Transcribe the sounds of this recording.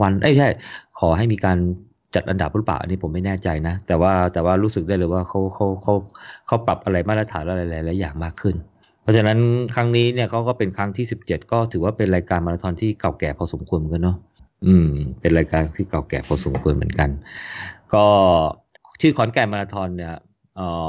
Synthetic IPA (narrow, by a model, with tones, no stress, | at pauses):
a˧nʔa˦˥˩t͡ɕʰa˥˩jkʰɔː˩˦ɦa˥˩jmiː˧kaː˧n | t͡ɕa˨˩t̪̚ʔa˧nda˨˩p̚ɾu˦˥˩pa̰ː˨˩ʔa̰˧niː˦˥pʰo˩˦mːa˥˩jnɛː˥˩t͡ɕa˧jna˦˥t̪ɛː˨˩waː˥˩t̪ɛː˨˩waː˥˩ɾu˦˥sɯ˨˩k̚aː˥˩jlɤː˧jwaː˥˩kʰa˦˥wkʰa˦˥wkʰa˦˥wkʰa˦˥wpa˨˩p̚ʔa˧ɾa˧jmaː˥˩t̪ɾa˧t̪ʰaː˩˦nla˦˥˧laː˨˧˦jla˨˩˦laː˨˩˦jaː˨˩ŋmaː˥˩kʰːɯ˥˩n | pʰɔ˦˥t͡ɕʰa˧na˦˥nkʰɾa˦˥ŋniː˦˥ni˥˩ɐkʰa˦˥wkɔː˥˩pe˧nkʰɾa˦˥ŋt̪ʰiː˥˩si˨˩p̚t͡ɕe˨˩t̪̚kɔː˥˩t̪ʰɯː˩˦waː˥˩pe˧nɾaː˧jkaː˧nma˧laː˧t̪ʰɔː˧nt̪ʰiː˥˩ka˨˩wkɛː˨˩pʰɔː˧so˩˦mkʰu˧ənm˨˦ka˧nɔ˦˥ | ʔɯː˨˩mpe˧nɾaː˧jkaː˧nt̪ʰiː˥˩ka˨˩wkɛː˨˩pʰɔː˧so˨˩˦mkʰu˧ənmɯ˩˦ənka˧n | kɔː˥˩ | t͡ɕʰɯː˥˩kʰɔː˩˦nkɛː˨˩maː˧laː˧t̪ʰɔː˧nːi˥˩ɐ | ʔəː˨˩